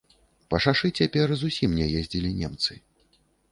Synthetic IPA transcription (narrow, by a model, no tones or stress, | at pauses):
pɐʂaʂɨt͡sʲapʲɛrzusʲimnʲɛjɛzʲd͡zʲilʲinʲɛmt̪sɨ